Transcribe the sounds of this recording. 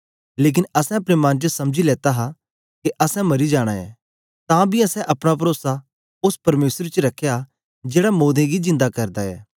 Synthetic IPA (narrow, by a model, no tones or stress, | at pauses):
leːk̬ɪnɐsɛ̃ɐpɽemɐ̃nt͡ʃəsɐmd͡ʒilɛːt̪aɦa | keʔɐsɛ̃mɐɾid͡ʒaːɽ̃a̰ɛ̰ː | t̪ãːbʱiɐsɛ̃ʔɐpɽ̃ap̬ɐɾoːsa | ʊspɐɾmeːsɾt͡ʃɾɐkʰːeja | d͡ʒeːɽamoːd̪ẽɡid͡ʒɪ̃nd̪akɐɾd̪aɛ̰ː